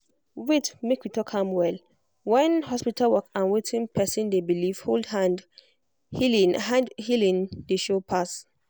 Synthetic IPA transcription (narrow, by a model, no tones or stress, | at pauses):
witmekwitʰɔkhãmwɛl | wɛ̃nhɔspitalwɔkãnwetʰĩnpʰɛsĩndebiliv̥holdhãnd | ãndhilĩndeʃopʰas